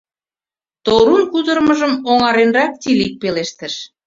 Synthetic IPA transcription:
t̪oɾunkud̪ərməʒəmoŋɑɾenrɑk̚t̪ilik̚peleʃt̪ə̆ʃ

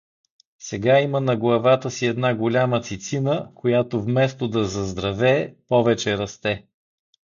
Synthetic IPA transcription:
sɛɡaimənɐɡlˠɐvat̪əsiɛd̪naɡolʲamət̪sit̪sinəkʰojat̪ovmɛst̪od̪ɐzɐzd̪ɾɐvɛːpɔvɛt͡ʃɛɾɐst̪ɛ

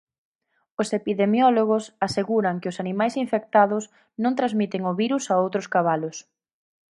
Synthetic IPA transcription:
ʊsepiðemjɔloɣ̞ʊsaseɣuɾɐŋkɪʊsanimajsiɱfek̚t̪aðʊs | nõŋt̪ɾazmit̪ɪŋʊβiɾusaowt̪ɾʊskaβalʊs

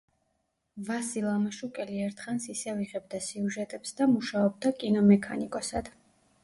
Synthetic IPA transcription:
vasilˠamaʃukʼɛliɛɾt̪ʰχansisɛviʁɛb̚d̪asiuʒɛt̪ʼɛpsd̪amuʃaɔb̚d̪akʼinɔmɛkʰa̰nikʼɔsad̪̥

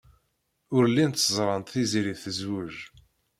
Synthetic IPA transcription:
ʊɾlːint̪ːzˤɾˤɑnt̪θiziɾiθəzwʊʒ

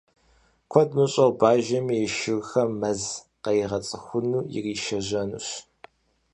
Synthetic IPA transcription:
kʷʰɔdmɨɕʼɐwbaːʒɐmijɛʃɪɣxɐmːɐz | qɐjiʁɐt͡sʼɨxʷʊnuːjɪ̰riːʃɐʑɐnṵːɕ

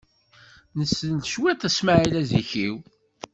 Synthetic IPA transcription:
nəsːənʃwæθæsmaʕilæziçiw

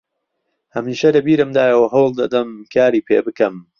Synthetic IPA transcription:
hɐmiːʃɐlɐbiːɾɨmd̪aːjɐwɐɦɐwlˠd̪ɐd̪ɐmkʰaːɾiːpʰḛːbɨkɐm

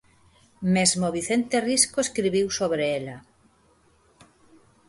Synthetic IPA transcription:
mezmoβiθent̪eriskoeskɾiβiwsoβɾeela

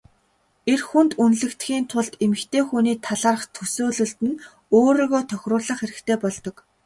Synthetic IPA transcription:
erxunt̪unɮɘ̆kt̪xʲiːnt̪ʰʊɮt̪emɘ̆kt̪ʰeːxuniːt̪ʰaɮaːrə̆χt̪ʰɵsoːɮɵ̆ɮt̪ɘ̆n | oːɾoːɣoːt̪ʰœxʲrʊːɮə̆χxeɾɘ̆kt̪ʰeːpɔɮt̪ɞ̆k

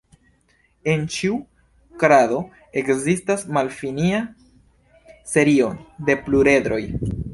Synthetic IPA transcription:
e̞nt͡ʃiu | kɾado̞ | e̞kzistasmalfinia | se̞ɾio̞nde̞pluɾe̞d̪ɾo̞j

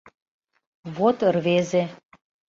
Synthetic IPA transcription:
βot̪ə̆rβeze

